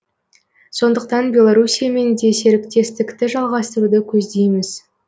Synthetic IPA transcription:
so̞nd̪əq̚t̪ɑnbʲje̞lˠoɾusʲijame̞nd̪e̞se̞ɾɪkt̪e̞st̪ɪkt̪ɪʒɑlˠʁɑst̪əɾud̪əkʲʰɵzd̪e̞jmɪz̥

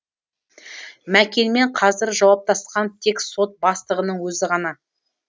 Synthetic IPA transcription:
mækʲe̞nme̞ɴqʰɑzɪɾʒɑwɑp̚t̪ɑsqɑnt̪ʰe̞kso̞t̪̚bɑst̪əʁənəɴwɵzɪʁɑnɑ

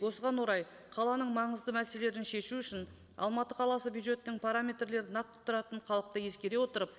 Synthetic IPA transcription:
wo̞səʁɑnwo̞ɾɑj | qʰɑlˠɑnəɴmɑɴəzd̪əmæse̞le̞ɾɪnʃe̞ʃuʏʃɪn | ɑ̰lˠmɑt̪əqʰɑlˠɑsəbjud̪ʒe̞t̪ːɪŋpʰaɾamʲe̞t̪rle̞ɾɪnɑq̚t̪ʰːʊ̥t̪ːəɾɑt̪əɴqʰɑlˠəq̚t̪əje̞skʲe̞ɾe̞wo̞t̪əɾəp̚

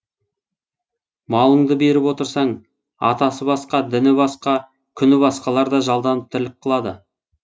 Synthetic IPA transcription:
mɑlˠəɴd̪əbe̞ɾɪpwo̞t̪əɾsɑɴ | ɑ̰t̪ɑsəbɑsqɑd̪ɪnɪbɑsqɑ | kʲʰʏnɪbɑsqɑlˠɑɾd̪ɑʒɑlˠd̪ɑnəp̚t̪ʰɪɾlɪk̚qʰəlˠɑd̪ə

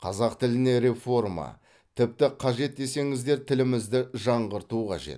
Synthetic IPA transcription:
qʰɑzɑqt̪ʰɪlɪne̞ɾe̞fo̞rmɑ̰ | t̪ʰɪp̚t̪ɪqʰɑʒe̞t̪̚d̪e̞se̞ŋɪzd̪e̞ɾt̪ʰɪlɪmɪzd̪ɪʒɑɴʁəɾt̪uqʰɑ̰ʒe̞̰t̪

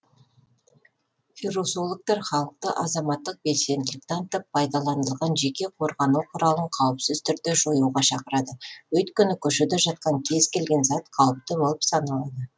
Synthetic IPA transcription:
fiɾosolˠək̚t̪ɑɾχɑlˠəq̚t̪əʔɑzɑmɑt̪ːəq̚be̞lse̞nd̪ɪlɪkt̪ɑnt̪ʰɪpʰːɑjd̪ɑlˠɑnəlˠʁɑnʒe̞kʲe̞qʰo̞ɾʁɑnuwqʰʊɾɑlˠəɴqʰɑwəpsɪzt̪ʰʏɾd̪e̞ʒo̞juʁɑʃɑqəɾɑd̪əwɵt̪kʲʏnɪkʲʰʏʃɪd̪eʒɑt̪̚qɑŋkʲʰe̞zkʲe̞lɡʲe̞nzɑt̪qʰɑw̪ˠəp̚t̪əbo̞lˠəpsɑnɑlˠɑd̪ə

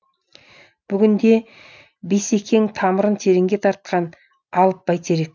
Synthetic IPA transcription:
b̥ʏɡʲɪnd̪e̞ | be̞se̞kʲʰe̞ŋt̪ʰɑməɾənt̪ʰe̞ɾeŋɡʲe̞t̪ʰɑɾt̪̚qɑn | ɑlˠəp̚b̥ɑjt̪e̞ɾe̞k̚

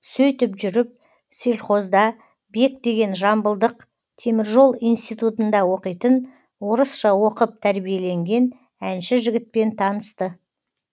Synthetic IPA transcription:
sɵjt̪ɪpʒʏɾɪp̚ | sielʲχo̞zd̪ɑ | be̞k̚d̪e̞ɡʲe̞nʒɑmbəlˠd̪əq | t̪ʰe̞mɪɾʒo̞lˠijnst̪ijt̪ut̪ənd̪ɑwo̞qijt̪ən | wo̞ɾəsʃɑwo̞qəp̚t̪ʰæɾbije̞le̞ŋɡʲe̞n | ænʃɪʒɪɡʲɪt̪̚pe̞nt̪ʰɑnəst̪ə

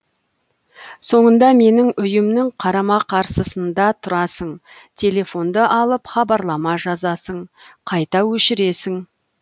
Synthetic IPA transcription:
so̞ɴənd̪ɑme̞nɪŋʏjɪmnɪŋqʰɑɾɑmɑqʰɑɾsəsənd̪ɑt̪ʰʊɾɑsəɴ | t̪ʲʰe̞le̞fo̞nd̪əʔɑlˠəpχɑbɑɾlˠɑmɑʒɑzɑsəɴqʰɑjt̪ɑwɵʃɪɾe̞sɪŋ

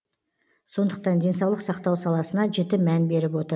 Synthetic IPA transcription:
so̞nd̪əq̚t̪ɑnd̪e̞ns̬ɑwlˠəqsɑqt̪ɑwsɑlˠɑsənɑʒe̞t̪ɪmænbe̞ɾɪpwo̞t̪əɾ

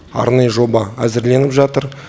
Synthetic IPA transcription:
ɑ̰ɾnɑjəʒo̞bɑæzɪɾle̞nɪpʒɑt̪əɾ

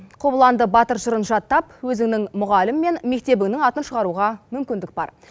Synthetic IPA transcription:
qʰobəlˠɑnd̪əbɑt̪əɾʒəɾənʒɑt̪ːɑpwɵzɪŋnɪŋmʊʁɑlɪmːe̞nme̞k̚t̪e̞bɪŋnɪŋɑt̪ənʃəʁɑɾuʁɑmʏmkʲɪnd̪ɪk̚bɑ̰ɾ

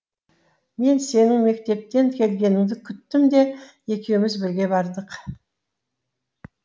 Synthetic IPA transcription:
me̞nse̞nɪŋme̞k̚t̪e̞p̚t̪e̞ŋkʲʰe̞lɡʲe̞nɪŋd̪ɪkʲʰʏt̪ːɪmd̪e̞ | e̞kʲe̞wɪmɪzbɪɾɡʲe̞bɑɾd̪əq

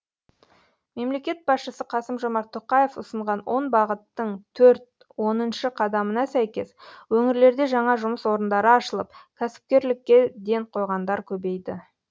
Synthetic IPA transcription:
me̞mle̞kʲe̞t̪̚bɑsʃəsəqʰɑsəmʒo̞mɑɾt̪ʰoqɑjefʊsəɴʁɑnwʔo̞nbɑʁət̪ːəɴt̪ʰɵɾt̪ | wo̞nənʃəqʰɑd̪ɑmənɑsæjkʲe̞swɵŋɪɾle̞ɾd̪e̞ʒɑɴɑʒʊməswo̞ɾənd̪ɑɾəɑʃəlˠəp̚kʲʰæsɪ̥p̚kʲe̞ɾlɪkʲːe̞d̪e̞ɴqʰo̞jʁɑnd̪ɑɾkʲʰɵbe̞jd̪ɪ

